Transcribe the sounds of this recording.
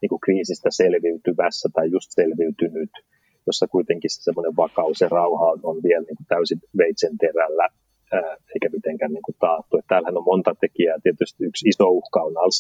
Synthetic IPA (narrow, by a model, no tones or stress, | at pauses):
niːŋkukriːsist̪æselʋiyt̪yʋæsːæt̪ɑijjust̪selʋiyt̪ynyt̪ | josːɑkuit̪eŋkise̥semːoneʋʋɑkɑuserɑuhɑononʋiɛlniːŋkut̪æysinʋeit̪sent̪erælːæː | eikæmit̪eŋkænniːŋkut̪ɑːt̪ːuet̪t̪æːlhænommont̪ɑt̪ekiæːt̪iet̪yst̪iyksisouhkɑunɑls